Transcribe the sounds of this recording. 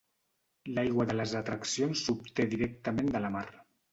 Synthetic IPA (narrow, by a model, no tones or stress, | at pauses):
lajɣwəðələzat̪ɾaksionsːup̚t̪eðiɾɛk̚t̪əmẽnd̪ələmaɾ